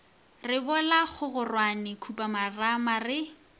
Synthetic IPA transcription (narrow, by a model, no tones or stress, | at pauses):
rɪbɔlaχʊɣʊrwanɪkʰupʼamaramarɪ